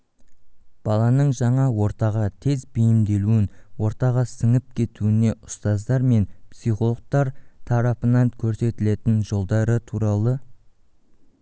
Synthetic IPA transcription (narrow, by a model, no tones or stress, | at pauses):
b̥ɑlˠɑnəɴʒɑɴɑwo̞ɾt̪ɑʁɑt̪ʰe̞zbejɪmd̪e̞luɪnwo̞ɾt̪ɑʁɑsɪŋɪp̚kʲʰe̞t̪uɪne̞ʔʊ̥st̪ɑzd̪ɑɾme̞npsijχolˠoq̚t̪ɑɾt̪ʰɑɾɑpənɑŋkʲʰɵɾse̞t̪ɪle̞t̪ɪnʒo̞lˠd̪ɑɾət̪ʰuɾɑlˠə